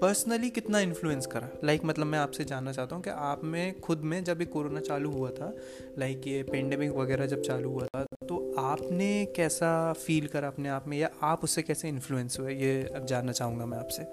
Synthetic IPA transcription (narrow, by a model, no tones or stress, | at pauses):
pəɾsnəlikɪt̪naɪ̃nfluːə̃nskɐɾaːlaɪkmɐt̪ləbmɛ̃aːpsed͡ʒaːnːat͡ʃaːɦt̪aɦũkḭʔaːpmẽxʊd̪mẽd͡ʒɐbʱikoːɾoːnat͡ʃaːluɦuat̪ʰa | laɪkjepɛ̃ːɳɖeːmɪkʋɐɡɛːɾad͡ʒɐb̚t͡ʃaːluɦuat̪ʰat̪oaːpnekɛːsafiːlkɐɾaɐpneaːpmẽjaʔaːpʊsːekɛːseɪ̃nfluə̃nsɦuejed͡ʒaːnːat͡ʃaːɦũŋɡamɛ̃aːpse